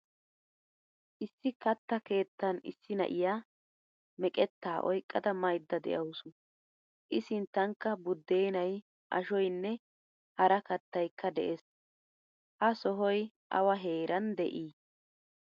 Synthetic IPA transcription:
ʔɪsːɪkɐt̪ːɐke̞ːt̪ːɐnɪ̰sːɪnɐ̰ʔɪjaː | mɛkʼɛt̪ːaːʔɔjkʼːɐd̪ɐmɐjd̪ːɐd̪ɛ̰ʔɐwsʊ | ʔɪsɪnt̪ːɐŋkːɐbʊd̪ːe̞ːnɐj | ʔɐ̰ʃɔjnːɛ | hɐɾɐkɐt̪ːɐjkːɐd̪ɛ̰ʔes | hɐsɔɦɔj | ʔɐ̰wɐɦe̞ːɾɐnd̪ɛʔiː

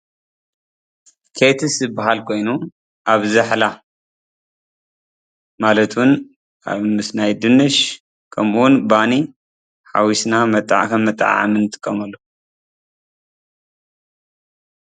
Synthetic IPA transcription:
kʰet̪ʰɨsɨbaɦalkʰo̞jnu | ʔaβzɐħla | malɐt̪ʰwun | a̰βmɨsnajd̪ɨnɨʃ | kʰɐmuwunbani | ħa̰wisnamɐt̪ʼːaʕkɐmːɐt̪ʼːa̰ʕa̰mɨnɨt̪ʼɨ̥kʼːɐmɐlːo

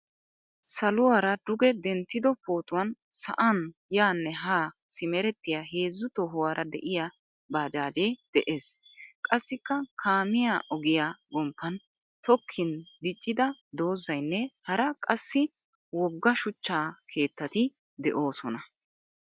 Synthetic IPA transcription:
sɐlʊwaːɾɐd̪ʊɡɛd̪ɛnt̪ːɪd̪ɔpoːt̪ʊwɐnsɐ̰ʔɐnjaːnːɛɦaːsɪmɛɾɛt̪ːɪjaːɦe̞ːzːʊt̪ɔɦʊwaːɾʔɐd̪ɛʔɪja | baːd͡ʒaːd͡ʒeːd̪̥ɛʔeːskʼɐsːɪkːɐkʰaːmɪjaʔɔɡɪjaːɡɔmpːɐn | t̪ɔkʰːɪnd̪ɪt͡ʃʼːɪd̪ɐd̪o̞ːzɐjnːɛhɐɾɐkʼɐsːɪ | wɔɡːɐʃʊt͡ʃːaːkʰe̞ːt̪ːɐt̪ɪ | d̪ɛʔo̞ːsɔnɐ

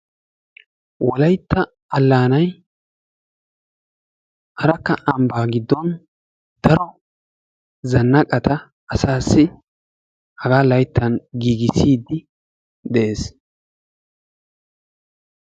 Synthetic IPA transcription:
wɔlɐjt̪ːɐ | ɐlːaːnɐj | hɐɾɐkːɐʔɐmbaːɡɪd̪ːɔn | d̪̥ɐɾɔ | zɐnːɐkʼɐt̪ɐ | ɐsaːsːɪ | hɐɡaːlɐjt̪ːɐnɡiːɡɪsiːd̪ɪ | d̪ɛʔeːs

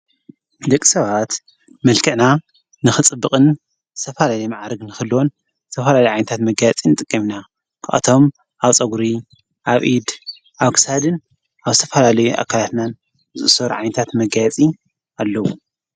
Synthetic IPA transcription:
d̪ɐkʼːi̥sɐβat̪ | mɐlkʰɨʔna | nɨxɨt͡sʼɨbːɨkʼɨn | z̥ɨ̥t̪ʰɐfalalɐjmaʕɾɨɡnɨxɨlːwon | zɨt̪ʰɐfɐlalɐjʕajnɐt̪ʰat̪mɐɡajt͡sʼinɨt̪ʼɨkʼːɐmna | kʰɨʔɐ̰t̪ʰo̞m | ʔaβt͡sʼɐɡuɾi | ʔaβʔid̪ | ʔaβksad̪ɨn | ʔaβzɨt̪ʰɐ̥fɐlalɐjuʔa̰kʰːalat̪nan | zɨ̰ʔsoɾʕajnɐt̪ʰat̪mɐɡajt͡sʼi | ʔalːɐwu

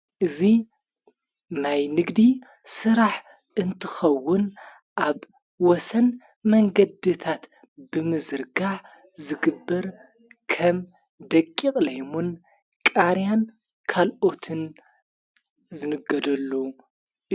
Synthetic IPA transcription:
ʔɨzi | najnɨɡd̪i | sɨɾaħ | ʔɨnt̪ʰɨxɐwːʊn | ʔaβ | wɔsɐn | mɐŋɡɐd̪ɨt̪ʰat̪ | bɨmɨzɨɾɡaʕ | zɨɡɨbːɐɾ | kʰɐm | d̪ɐkʼːikʼlɐjmun | kʼaɾjan | kʰalʔo̞t̪ʰɨn | zɨnɨɡɐd̪ɐlːɐ

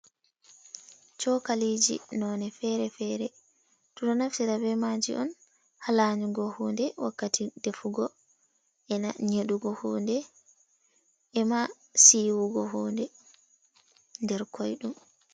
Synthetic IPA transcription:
t͡ʃɔkaliːd͡ʒḭnɔnɛfɛɾɛfɛːɾɛ | tuɗɔnaftiɾabɛmad͡ʒḭʔɔ̰n | halaɲuɡɔhuːndɛwa̰kːatidefuɡɔ | ʔɛna̰ɲeɗuɡɔhundɛ | ɛma | siwuɡɔɦuːndɛ | ndɛɾkʰɔjɗum

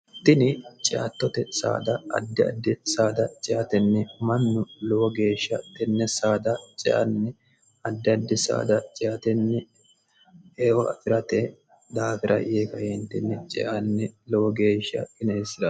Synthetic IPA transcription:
t̪ːɪnɪt͡ʃʼɛʔɐ̰t̪ːɔt̪ɛsa̰ːd̪ɐɐ̰d̪ːɪɐd̪ːɪsaːd̪ɐt͡ʃʼɛʔɐt̪ɛnːɛmɐnːʊlɔwɔɡe̞ːʃːɐt̪ɛnːɛsaːd̪ɐt͡ʃʼɛ̰ʔɐ̰nːɛ | ɐd̪ːɪɐd̪ːɪsa̰ːd̪ɐt͡ʃʼɛʔɐt̪ɛnːɛ | ewɔʔɐ̰fɪɾɐt̪ɛ | d̪aːfɪɾʔɐ̰jeːkɐjɛnt̪ɪnːɪt͡ʃʼɛ̰ʔɐnːɛlɔwɔɡe̞ːʃːɐ̰ɪnɐɛsːɪd̪ɐ

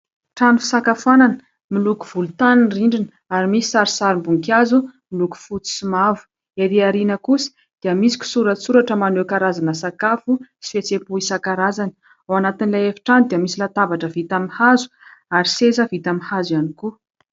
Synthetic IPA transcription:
ʈ͡ʂanifi̥sakafananə̥ | miluku̥v̥ulut̪annriɳɖ͡ʐinə̥ | aɾimisi̥saɾisaɾimbuŋkazumiluku̥fut͡su̥simavu̥ | eɾiaɾinəkusi̥ | d̪̥iəmisi̥kʲu̥suɾəsuɾaʈ͡ʂəmanekaɾazanəsakafusi̥fet͡sepuisakaɾazani̥ | awanat̪inilajefi̥ʈ͡ʂanid̪iəmisilat̪avaʈ͡ʂəvit̪amihazu̥aɾisezəvit̪amihazjaniku

